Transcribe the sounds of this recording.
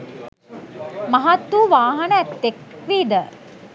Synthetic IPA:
mɐɦat̪ːuːʋaːɦɐnəæt̪ːekʋiːd̪ə

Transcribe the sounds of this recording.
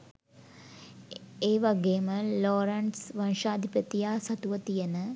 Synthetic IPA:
eːʋaɡeːməloːɾɐɳsʋɐnʃaːd̪ʱipət̪ijaːsɐt̪uʋət̪ijenə

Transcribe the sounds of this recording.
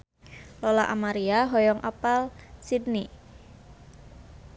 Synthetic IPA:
lɔlaʔamaɾiaɦɔjɔŋʔapalsidni

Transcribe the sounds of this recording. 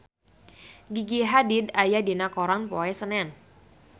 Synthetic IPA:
ɡiɡiɦadidajadinakoɾanpoɛsənɛn

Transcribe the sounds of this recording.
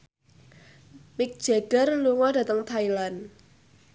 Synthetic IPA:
mɪk̚d̥ʒ̥eɡ̥ərluŋɔda̤t̪əŋt̪ʰailan

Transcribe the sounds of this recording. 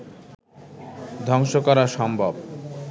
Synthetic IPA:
d̪ʱɔŋʃokɔɾaʃɔmbʱab

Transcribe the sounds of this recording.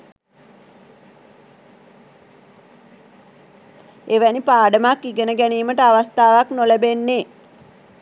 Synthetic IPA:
eʋænipaːɖəmakːiɡənəɡæniːməʈəaʋast̪aːʋaknolæbenːe

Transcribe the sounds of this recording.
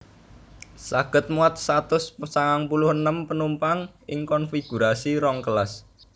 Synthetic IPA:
saɡ̥ə̤t̪̚muat̪̚sat̪ʊssaŋaŋpulʊhənəmpənumpaŋʔɪŋkɔnfiɡ̥uɾasiɾɔŋkəlas

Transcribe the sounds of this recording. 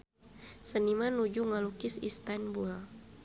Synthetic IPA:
sənimanud͡ʒuŋalukisḭst̪anbua

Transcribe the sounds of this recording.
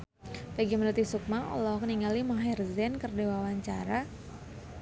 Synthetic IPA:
paɡimənut̪isuk̚maɔ̰lɔkəniŋɡalimaɦɛrzɛnkərdewawaɲt͡ʃaɾa

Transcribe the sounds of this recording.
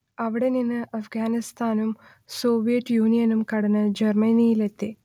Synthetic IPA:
ɐʋiɽeninːɨʔɐfɡaːnist̪ʰaːnum | soːʋijɐʈːjuːnijɐnumkɐɽɐnɨd͡ʑɐrmɐniːjilet̪ːe

